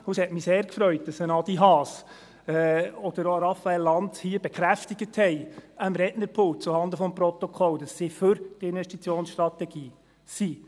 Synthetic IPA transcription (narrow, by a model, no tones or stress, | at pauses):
hushɛtmiseːɾkfɾœʏt̚d̥ɑsənɑd̥̪iɦɑːs | ɛɔd̥̪əɾoɾɑfːæɛlːɑndhiəb̥ɛkχɾæftiɡ̥əthɛjəmɾɛnəɾpʰʊːt͡suhɑnd̪əfɔmpɾɔt̪ɔkʰɔld̥ɑsːifɵɾd̥ɪnʋɛʃtit͡sjoːnsʃtɾɑtɛɡ̥iː | si